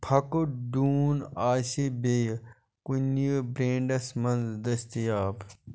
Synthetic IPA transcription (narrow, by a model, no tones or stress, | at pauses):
pʰɐkoɖuːnaːʃebej | kʊnəbɾẽːɳɖɐsmɐnzd̪ɐst̪ijaːb